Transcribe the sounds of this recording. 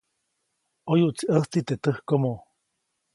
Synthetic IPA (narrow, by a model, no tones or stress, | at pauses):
ojuʔt͡siʔəht͡sit̪et̪əhkomo